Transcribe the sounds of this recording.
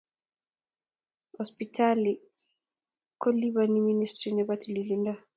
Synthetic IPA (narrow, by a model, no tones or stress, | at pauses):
ɔspitʰali | kɔliβaniministɾinɛbatililinda